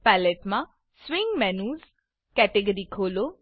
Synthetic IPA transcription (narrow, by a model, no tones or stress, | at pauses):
pɛleʈmã | swiŋɡmɛnuːz | kɛʈeɡəɾikʰolo